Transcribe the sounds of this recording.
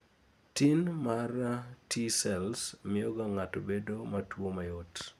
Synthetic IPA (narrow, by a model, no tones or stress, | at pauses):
tinmaratʰisɛlsmɪjɔɡaŋatobedomatwomajɔt